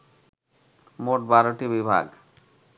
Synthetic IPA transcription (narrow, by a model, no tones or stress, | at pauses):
moʈ̚baɾoʈibibʱa̰ɡ